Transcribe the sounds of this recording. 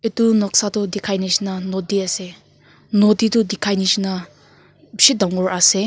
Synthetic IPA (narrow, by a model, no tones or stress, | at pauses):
itunɔk̚satudikʰajnisnanodiase | noditudikʰajnisina | sidaŋɔɾase